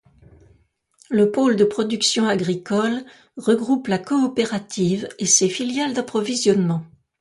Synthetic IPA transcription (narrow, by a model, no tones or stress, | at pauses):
ləpold̪əpχɔd̪yksjɔ̃aɡʁikɔl | ʁəɡʁuplakɔːpeʁat̪ʰivesefiljald̪apχɔvizjɔnmɑ̃